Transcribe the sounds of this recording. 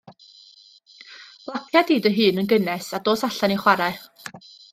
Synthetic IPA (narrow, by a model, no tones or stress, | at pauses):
lˠakʰjadiːdəɦɨːnənɡənɛsadoːsaɬaniχwaɾaɨχ